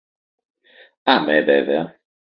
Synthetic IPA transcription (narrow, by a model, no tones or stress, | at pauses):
amɛvɛvɛ